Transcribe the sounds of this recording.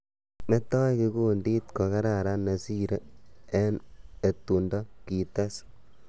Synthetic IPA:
me˦tːa˦jki˧ku˦ndi˦t̪ko˨ka˦ɾa˨ɾa˦nːa˨si˦ɾe˦ɛ˦ne˨tːu˨ndo˦ki˨ta˦s

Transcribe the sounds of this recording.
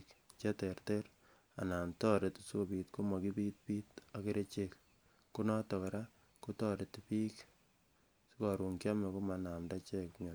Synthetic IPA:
kt͡ʃe˦te˨ɾteɾ | a̰˨na˨mtɔ˦ɾe˨tsu˦ko˨piːtko˦ma˨ki˦pi˦t̚piː˦take˦ɾe˦t͡ʃek | ku˦nɔ˦tɔ˨ka˨ɾa˦ | ku˦tɔɾe˨tpi˦k | si˦kɔɾu˨ŋkja˦me˨ko˦ma˨na˨mda˦t͡ʃe˦kɲo˨

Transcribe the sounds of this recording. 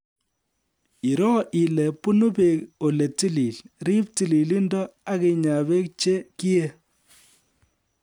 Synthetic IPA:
i˨ɾɔ˦ʔi˨lɛ˨pu˦nu˦be˨ko˨le˨ti˦li˨lri˦p̚ti˨li˨li˦ndɔ˦a˦ke˨ɲa˨βe˦k̚t͡ʃe˦ki˦e˦

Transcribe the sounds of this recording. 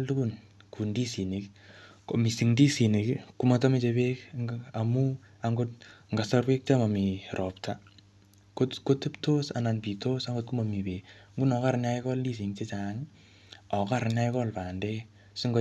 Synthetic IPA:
ltu˦kun | ku˨ndi˦si˨ni˨kko˨mi˨si˨ŋndi˦si˨nikku˦matɔ˦mi˦t͡ʃepekŋamu | a˨ŋɡot̚ŋɡa˨sa˦rwe˦k̚t͡ʃama˨mi˨rʔɔptʰa | koko˦te˦ptosa̰na˨npi˨tosaŋɡo˦t̚ku˦ma˨mi˨pe˨kŋɡu˦nɔ˨ka˦ɾnaikɔ˦ldi˦s̬i˨ŋt͡ʃe˦t͡ʃaŋ | ɔ˨ka˦ɾna˦ikɔ˦lpa˨nde˦ | si˦ŋɡ

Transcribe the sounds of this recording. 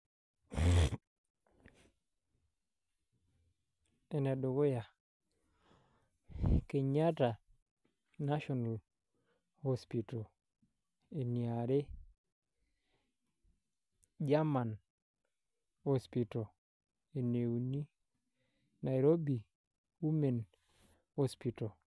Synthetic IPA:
e˨ne˨ɗo˨ɡo˦ja˨ | ke˨ɲa˦ta˨ | na˦ʃɔ˨na˨l | ho˦spi˨to˨ | e˨ni˨aɾe˦ | d͡ʒa˦ma˨n | ho˦spi˨to˨ | e˨ne˨u˨ni˦ | na˨jɾo˦bi˨ | hu˦me˨n | ho˦spi˨to˨

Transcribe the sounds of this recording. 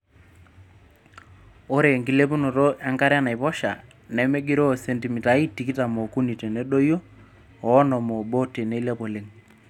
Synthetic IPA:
o˦ɾe˨ŋɡi˨le˦p̬u˦no˨ɾo˦ʔɛ˦ŋka˦ɾja˦na˨jpɔ˦ʃa̰˨ | nɛ˦me˦ɡi˦ɾo˦˨se˨nti˨mi˨ta˨˦i˦ti˨ki˦ta˨mo˨ku˦ni˨te˨ne˦ɗo˦jo˦ | ɔː˨˦nɔ˨mo˨bo˦te˨ne˦lɛ˦po˨le˦ŋ

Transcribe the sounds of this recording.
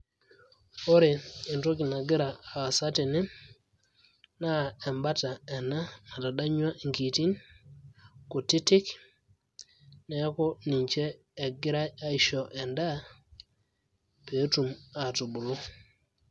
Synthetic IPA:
o˦ɾe˨i˨nto˦k̬i˨na˨ɡɪ˦ɾaː˨sa˦te˨nɪ˦ | na˦˨ɛ˨mba˦ta˨ɛ˨na˦ma˨ta˨ɗa˦ɲwa˦ʔi˨ŋki˨ti˦n | ko˨ti˦tɪ˦k | ne˨˦ko˦ni˨ɲt͡ʃɛː˦˨ | ɡɪ˦ɾa˦ja˦i˦ʃɔ˨ʔɛ˨nda˦ | pe˨˦tu˨ma˨tu˨bu˨lo˦

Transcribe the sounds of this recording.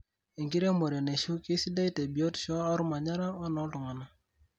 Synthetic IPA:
e˨ŋki˦ɾe˦mo˨ɾje˨ne˨ʃu˦kɪ˦si˦da˦i˦te˨bi˨o˦tʃɔ˦a˦ɾu˦ma˨ɲa˦ɾa˦ɔ˦nɔ˦tu˨ŋa˨na˨

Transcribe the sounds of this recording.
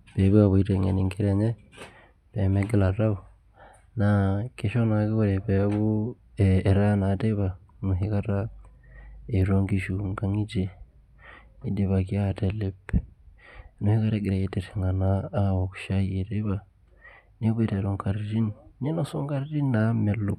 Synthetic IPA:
beβi˦waβui˦teŋḛ˨niŋke˦ɾeɲe˦ | βemeɡe˦la˨ɾa˦βu | nake˦ʃo˦na˨ki˦βuɾe˨βe˦βu | eːɾa˦na˨de˦βa˨nu˨ɦika˦ɾa | e˨ɾoːŋɡiʒuŋɡa˨ŋi˦d͡ʒe | i˦de˨βa˨kjate˨lep | nu˨hi˦ka˦ɾe˦ɡi˨ɾa˨je˦deteŋɡa˨naː˦oku̥ʃa˦ji˨ɾi˦βa˦ | ne˦βe˦ɾe˨ɾo˨ŋka˨ɾiɾi˦nne˦no˦soː˦ŋɡa˦ɾi˦ɾi˦name˨lo˦

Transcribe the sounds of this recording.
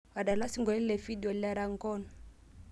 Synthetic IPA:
wa˨ɗa˨la˦si˦ŋɡɔ˨˦i˦lɛ˨fi˦di˨ɔ˨la˨ɾa˨ŋɡɔ˦n

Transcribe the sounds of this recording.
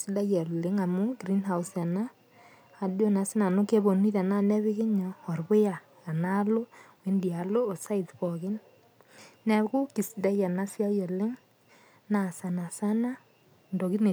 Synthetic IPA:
si˦da˦jɛ˨lɪ˦ŋa˨mu˦ɡɾi˦nha˦u˦sa˨naː˦˨ | do˦na˨sɪ˦na˨no˦ke˦bo˨ni˦ta˨na˦nɛ˦βɪ˦kɪ˦ɲɔː˨rbʊ˦ja˨ | a˨na˦lo˦we˦ndi˨a˨loː˦˨sa˦i˨tpɔ˨kɪ˦n | nɛ˨kʊ˦ki˨sda˦jɛ˨na˦sja˦jɛ˨lɪ˦ŋ | na˨sa˨na˨sa˦na˦ | ndo˨ki˦ne˨

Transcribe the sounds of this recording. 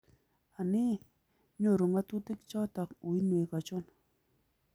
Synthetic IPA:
a˨ni˦ | ɲo˦˨ɾo˨ŋa˦t̪u˦t̪i˦k̚t͡ʃɔ˦t̪a˨ku˨jne˨ka˨t͡ʃo˦n

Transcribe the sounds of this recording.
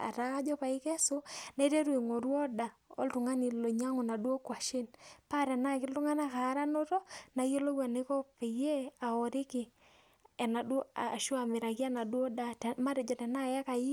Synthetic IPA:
a̰˨ɾa˦ka˦d͡ʒɔ˦pa˨ɪ˦kɛ˦so˦na˦i˦ɾe˦ɾwe˨ŋo˨ɾwɔ˦da˨o̰˦ltʊ˨ŋa˦ni˨lo˨ɲa˦ŋo˨na˨du˦o˦kwa˨ʃɪ˦npa˦ɾɛ˨na˦kɪ˦ltʊ˦ŋa˦na˦kaː˨˦ɾa˦no˦tɔ˦na˨jo˦lo˦wa˨ne˦kɔ˦pe˨je˦a˨ɔ˨ɾɪ˦kɪ˨ | ɛ˨na˨dʃʊ˦a˨mɪ˨ɾa˨ɡja˦na˨dwo˦da˨tma˦ɾɛ˨d͡ʒɔ˨tɛ˨na˦˨ja˦ka˨ji˦

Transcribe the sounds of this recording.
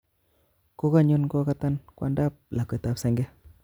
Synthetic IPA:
ko˦ka˦ɲu˦nko˦ka˦ta˦nkwa̰˦nda˦p̚la˨ko˨ta˨psɛ˨ŋɡɛ˦

